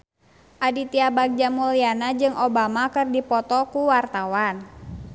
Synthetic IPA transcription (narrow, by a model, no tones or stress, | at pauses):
ʔadit̪iabaɡ̚d͡ʒamulianad͡ʒɨŋʔɔbamakɨrdipɔt̪ɔkuwart̪awan